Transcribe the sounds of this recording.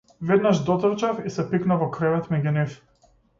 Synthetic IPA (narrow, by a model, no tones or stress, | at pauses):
vɛd̪naʒd̪ɔt̪rt͡ʃafisɛpiknavɔkɾɛvɛt̪mɛɟunif